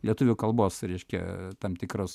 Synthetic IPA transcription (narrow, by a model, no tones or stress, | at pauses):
lʲiɛt̪ʊʋʲʊkɐlˠboːsɾʲɛɪʃʲkʲɛ̰t̪ɐmt̪ʲɪkɾos